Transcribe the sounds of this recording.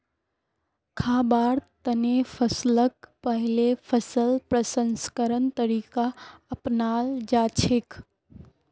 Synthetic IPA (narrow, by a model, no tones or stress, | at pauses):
kʰaːbaːɾt̪ənepʰəslək̚pəɦɪlepʰəsəlpɾəsənskəɾənt̪əɾiːkaəpnaːld͡ʒaːt͡ʃʰek